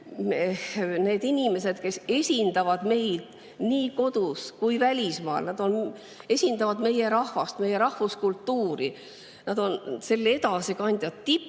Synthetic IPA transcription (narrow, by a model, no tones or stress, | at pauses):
mehne̞ːd̪inʲime̞se̞d̪̥ke̞se̞sʲind̪̥ɑvɑd̪me̞jd̪̥ | niːko̞d̪̥uskujvælʲismɑ̰ːlnɑd̪̥o̞n | e̞sʲind̪ɑvɑd̪me̞je̞ɾɑhvɑst̪me̞je̞ɾɑhvuskult̪ːuːɾi | nɑd̪̥o̞nse̞lːe̞d̪ɑsikɑnʲd̪̥ʲjɑd̪t̪ːipː